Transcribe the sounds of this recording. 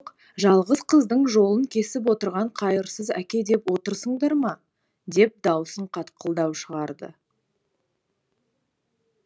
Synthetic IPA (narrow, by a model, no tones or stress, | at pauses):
q | ʒɑlˠʁəzqʰəzd̪əɴʒo̞lˠəŋkʲʰe̞sɪp̬wo̞t̪əɾʁɑɴqʰɑjəɾsəzækʲe̞d̪e̞pwo̞t̪əɾsəɴd̪ɑɾmɑ | d̪e̞p̚d̪ɑwsəɴqʰɑt̪qʰəlˠd̪ɑwʃəʁɑɾd̪ə̰